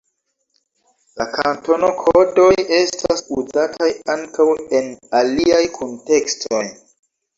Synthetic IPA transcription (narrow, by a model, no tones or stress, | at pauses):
lakʰanto̞no̞kʰodo̞je̞stasuzatʰajaŋkawe̞naliajkʰonte̞kstʰo̞j